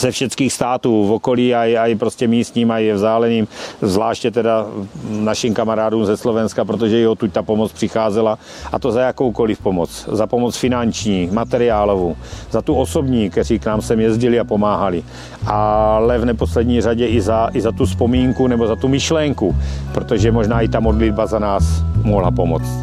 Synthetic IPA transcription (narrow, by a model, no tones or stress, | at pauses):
z̥ɛfʃɛt̪t͡skiːxst̪aːt̪uːvoko̞liːaaipɾo̞scɛmiːst̪ɲiːmajɛvzaːlɛniːmzvlaːʃcɛt̪ɛdanaʃimkamaɾaːduːmzɛslo̞vɛnskapɾot̪̬oʒɛjɛɦot̪uc̚t̪apo̞mot͡spr̥ɪxaːzɛla | ʔat̪o̞zajako̞wko̞lɪfpo̞mot͡szapo̞mo̞t͡sfɪnant͡ʃɲiːmat̪ɛɾɪaːlovuzat̪uoso̞bɲiːkt̪ɛr̝iːknaːmsɛmjɛzɟɪlɪapo̞maːɦalɪ | ʔalɛvnɛpo̞slɛdɲiːr̝aɟɛʔɪzaʔɪzat̪uspo̞miːŋkunɛbo̞zat̪umɪʃlɛŋkupɾot̪o̞ʒɛmo̞ʒnaːɪt̪amo̞dlɪd̚bazanaːsmoɦlapomo̰t͡st̪